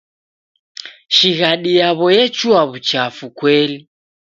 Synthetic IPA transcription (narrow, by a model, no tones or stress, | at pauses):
ʃiɣaɗijaβɔjɛt͡ʃuaβut͡ʃafukwɛli